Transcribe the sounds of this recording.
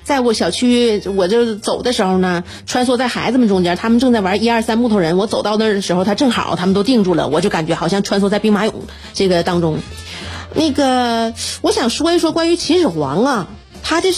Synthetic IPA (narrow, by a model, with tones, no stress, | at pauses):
t͡sa˥˩ɪwɔ˧˥ɕjɑ˨˩ʊt͡ɕʰy˥wɔ˨˩t͡ɕo˥˩ʊt͡so˨˩ʊd̪ə˦ʂɻ̩˧˥xo˧ʊnə˩ | ʈ͡ʂʰwa˥ns̬wɔ˥t͡sa˥˩ɪxa˧˥ɪd͡zə˧mə˨nʈ͡ʂʊ˥ŋt͡ɕjɛ˧˥t̪ʰa˥mə˨nʈ͡ʂɤ˥˧ŋt͡sa˥˩ɪwa˧˥˧i˥ɐ˞˥˧sa˥nmu˥˩˧ɻə˧˥nwɔ˧˥t͡so˨ʊt̪ɑ˥˩ʊd̪ə˩ʂɻ̩˧˥xo˥˧ʊt̪ʰa˥ʈ͡ʂɤ˥˩ŋxɑ̰˨˩˦t̪ʰa˥mə˧nt̪o˥ʊt̪i˥˧ŋʈ͡ʂu˥˩lə̰˩wɔ˨˩t͡ɕo˥˩ʊka˨˩nt͡ɕɥɛ˧˥xɑ˨˩ʊɕjɑ˥˩˧ŋʈ͡ʂʰwa˥nswɔ˧˥t͡sa˥˧ɪpi˥ŋma˧˥jʊ̰˨˩˦ŋ | ʈ͡ʂɤ˥˩ɡə˩t̪ɑ˥ŋʈ͡ʂʊ˥ŋ | na˥˩ɡə˩wɔ˧˥ɕjɑ˨˩ŋʂwɔ˥i˧˥ʂwɔ˥kwa˥ny˧˥t͡ɕʰi˧˥ʂɻ̩˨˩xwɑ̰˧˥ŋɐ˥˧ | t̪ʰa˥t͡ɕo˥˧